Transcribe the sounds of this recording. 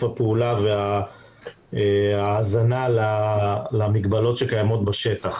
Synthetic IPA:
apeulavea | eaːzanalalamiɡbalo̞tʃekajamo̞t̪baʃet̪aχ

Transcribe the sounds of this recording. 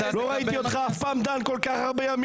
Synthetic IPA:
loʁait̪iot̪χaafpaːmd̪ankolkaχhaʁbejam

